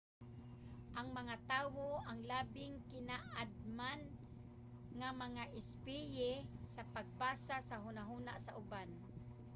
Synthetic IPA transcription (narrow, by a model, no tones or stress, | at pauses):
ʔaŋmaŋat̪aːwoaŋlaːbɪŋkɪnaʔad̪̚man | ŋamaŋaʔɪspɪjɛsapaɡ̚paːsasaɦʊnaɦuna̰ʔsaʔʊban